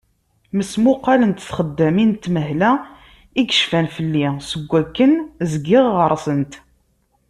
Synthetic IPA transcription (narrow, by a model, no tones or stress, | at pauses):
məsmʊqːɑlənt̪θχəd̪ːæmint̪ːməɦlæ | iɡəʃfænfəlːisəɡʷːækːənzɡɪʁːəɾˤsənt̪